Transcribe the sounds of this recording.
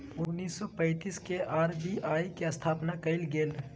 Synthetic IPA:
ʊnːiːsːɔpə̃ɪt̪iːskeʔaːɾbiʔaːikeɐst̪ʰaːpnakɐɪlɡeːl

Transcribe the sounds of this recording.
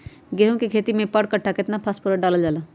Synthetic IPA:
ɡeɦũkekʰeːt̪imẽpəɽkəʈʰːaket̪napʰaspuɾəɖaːləld͡ʒaːla

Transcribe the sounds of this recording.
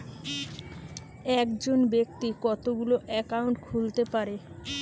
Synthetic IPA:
ɛkd͡ʑonbek̚t̪ikɔt̪oɡuloʔɛkauɳʈkʰult̪epaɾe

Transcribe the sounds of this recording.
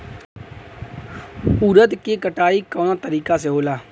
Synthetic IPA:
uːɾət̪keːkəʈaːiːkəːnãːt̪əɾiːkaːseɦoːlaː

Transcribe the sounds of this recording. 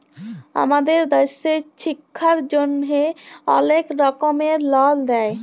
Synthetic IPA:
a̰mad̪eɾd̪eʃeʃikʰːaɾd͡ʑonɦeɔ̰nekɾɔkomeɾlɔld̪ɛe

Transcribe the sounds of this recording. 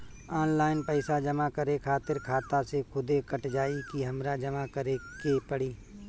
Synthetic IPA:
aːnlaːɪnpɛːsad͡ʒəmakəɾekʰaːt̪ɪɾkʰaːt̪asekʰʊd̪ekəʈd͡ʒaːikiɦɐmɾad͡ʒɐmakəɾekepəɽiː

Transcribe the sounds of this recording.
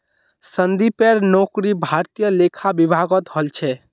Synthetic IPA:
sənd̪ipeɾnokɾibʱaɾt̪ijəlekʰabibʱaɡət̪ɦolt͡ʃʰɛ

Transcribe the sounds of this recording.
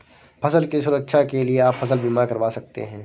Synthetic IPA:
fʰɐsəlkisʊɾəkʃʰakelieaːpfʰɐsəlbʱiːmaɾkɐɾʋaːsɐk̚t̪ḛɦɛ̃ː

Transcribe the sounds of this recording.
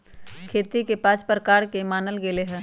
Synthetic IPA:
kʰeːt̪ikepaːt͡ʃpəɾkaːɾkemaːnəlɡeleɦɛ̃ː

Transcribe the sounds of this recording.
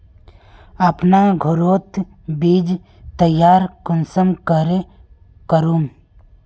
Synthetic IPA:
ɐpnaɡʱʊɾoːt̪ | biːd͡ʒ | t̪əjːaːɾkʊnsəmkəɾe | kəɾuːm

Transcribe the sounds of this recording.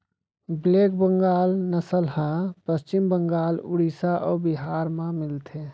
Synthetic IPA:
bleːk̚bə̃ŋɡaːlnəsəlhãpəst͡ʃɪmbə̃ŋɡaːlʊ̰ɽisaʔɔːbiɦaːɾmãmɪlt̪ʰe

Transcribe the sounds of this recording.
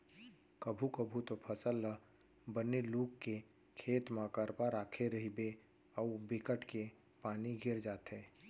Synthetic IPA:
kəbʱukəbʱut̪opʰəsəlːə | bəneluːkkːe | kʰeːt̪mãkəɾpaɾaːkʰeɾɐɦibe | ɔbɪkəʈke | paːniɡʱɪɾd͡ʒaːt̪eː

